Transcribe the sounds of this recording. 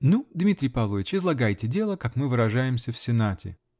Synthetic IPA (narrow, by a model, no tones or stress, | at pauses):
nud̪mʲit̪ʲɾʲɪjpɐvlˠovʲɪt͡ɕɪzlˠɐɡajtʲɪdʲe̞lˠəkakmɨvɨɾɐʐajɪmsʲəfsʲɪnatʲɪ̰